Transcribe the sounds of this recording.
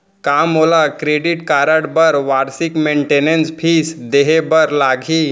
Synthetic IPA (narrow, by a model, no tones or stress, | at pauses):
kamolakɾeɖiʈkaɾəɽbəɾʋaɾsikmeɳʈenenspʰiːsd̪eɦebəɾlaɡʱiː